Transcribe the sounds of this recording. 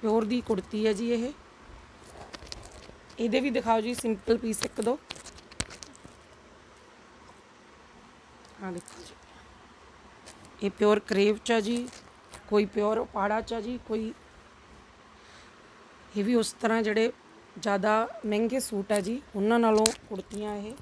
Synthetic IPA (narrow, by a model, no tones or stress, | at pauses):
pjɔːɾd̪iːkʊɽt̪iːɦɛːd͡ʒiːeɦeː | eːd̪eːʋiːd̪ɪkʰaːoːd͡ʒiːsɪmpəlpiːsəkd̪oː | hãːd̪ɪkʰːoːd͡ʒiː | eːpɪjɔːɾkɾeːʋt͡ʃɛːd͡ʒiː | koːiːpjɔːɾpaːɽaːt͡ʃɛːd͡ʒiːkoːiː | eːʋiːʊst̪əɾãːd͡ʒeːɽeː | d͡ʒjaːd̪aːmɛ̃ːŋɡeːsuːʈɦɛːd͡ʒiːʊnãːnaːlõːkʊɽt̪ɪjãːɦeː